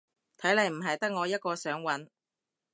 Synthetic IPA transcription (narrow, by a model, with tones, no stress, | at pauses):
t̪ʰɐ˨˥jlɐ˨jm̩˨˩ɦɐ˨jt̪ɐ˥k̚ŋɔː˨˧jɐ˥t̚kɔː˧sœː˨˥ŋwɐ˨˥n